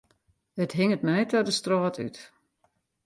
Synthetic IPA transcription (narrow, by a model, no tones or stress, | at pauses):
ətɦɪŋətmɛjtʰɔdəstroɔːtʰy̰t